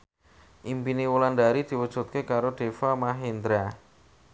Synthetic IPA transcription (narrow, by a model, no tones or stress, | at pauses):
ʔimpiniwulandaɾid̪̥i̤wəd̥ʒ̥ṳt̪̚kekaɾoɖ̪̥e̤famaɦind̪ɾa